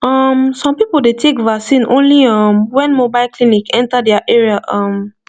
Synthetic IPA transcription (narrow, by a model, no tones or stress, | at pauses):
ʌmsɔ̃mpipəldetʰekvaksĩnʔõ̰nliʌ̃mwɛ̃nmobaɪlkʰlinikʰɛ̃ntadɛaʔɛɹiaʔʌ̃m